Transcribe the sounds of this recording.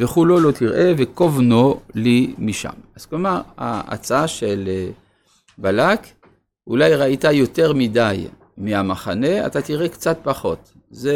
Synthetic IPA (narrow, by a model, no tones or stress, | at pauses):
veχulo̞lo̞t̪iʁʔe̞vekovnolimiʃa̰maz̥klomaʁa̰a̰t͡saaʃele | balak | ulajʁait̪ajo̞t̪e̞ʁmidaj | miamaχane̞a̰t̪at̪iʁekt͡sat̪̚paχo̞t̪ | ze